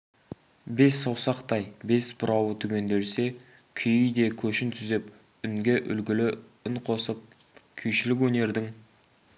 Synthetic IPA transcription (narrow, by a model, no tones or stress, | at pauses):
be̞sːɑwsɑqt̪ɑjbe̞sbʊɾɑwət̪ʰʏɡʲe̞nd̪e̞ɾse̞ | kʲʰʏjɪjd̪e̞kʲʰɵʃɪnt̪ʰʏzep | ʏŋɡʲeʔʏlɡʲɪlɪʏnqʰo̞səp̚ | kʲʰʏjʃɪlɪk̬ʲwɵne̞ɾd̪ɪŋ